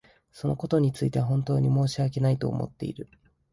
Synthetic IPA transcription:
so̞no̞ko̞t̪o̞ɲ̟it͡sɨit̪e̞βaɦõ̞nt̪o̞ːɲ̟imo̞ːɕiake̞nait̪o̞̰ːmo̰t̪ːe̞̰ḭɾɯ̟

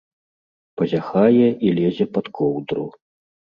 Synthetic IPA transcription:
pɐzʲaxajɛʔilʲɛzʲɛpɐt̪kʰɔwd̪ɾṵ

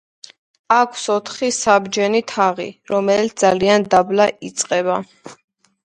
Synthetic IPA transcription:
akʷʰwsɔt̪ʰχisabd͡ʒɛnit̪ʰaʁḭɾɔmɛlit̪sd̪zaliand̪ablaʔit̪sʼqʼɛβa

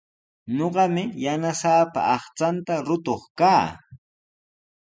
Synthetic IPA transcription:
ɲoɢɑmɪjanasaːpa̰ɑχt͡sant̪aɾʊt̪oχkaː

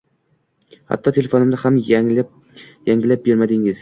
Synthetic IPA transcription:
ha̰t̪ːɒt̪ʰe̞le̞fonɪmd̪ɪham | jaŋɡʲɪlap̚be̞ɾmad̪ɪŋɪz̥

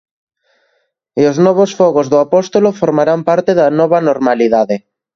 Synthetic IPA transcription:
ioznɔβ̞osfɔɣozðoapɔst̪olofoɾmaɾampaɾt̪eðanɔβɐnoɾmaliðaðe

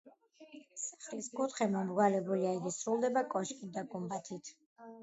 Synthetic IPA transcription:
si̥χliskʰʼut̪χɛmɔmɡwalɛbuliaiɡisɾulˠd̪ɛbakʼɔʃkʼit̪̚d̪aɡʼumbat̪ʰit̪ʰ

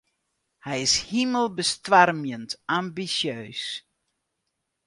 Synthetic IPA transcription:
hɛjɪshiməlˠbəstʋarmjəntambisjøːs

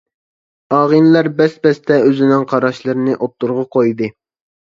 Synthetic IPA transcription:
ɑːʁɨnlæɾbɛsbɛst̪ʰɛøzɪnɪŋqʰɑɾɑʃlˠɨɾɨnɨʔop̚t̪ʰːuɾʁɑqojd̪ɨ

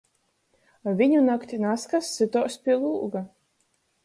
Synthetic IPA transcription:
vʲiɲunakt̪ʲinaskasːɨt̪ɔːspʲiɛlˠuːɡa

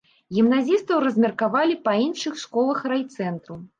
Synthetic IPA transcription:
ɣʲimnazʲist̪ɐwrɐzʲmʲɐrkavalʲipainʂɨxʂkɔlˠɐxrajt̪sɛnt̪ɾu

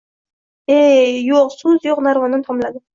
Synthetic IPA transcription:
ejoqsuzjoqnaɾvɒnnt̪ʰɒmlad̪ɪ

